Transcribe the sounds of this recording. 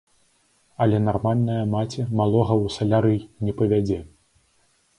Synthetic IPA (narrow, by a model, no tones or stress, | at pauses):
ɐlʲɛnarmalʲnɐjɐmat͡sʲɛmalˠɔɣɐwsɐlʲaɾɨnʲɛpɐvʲad͡zʲɛ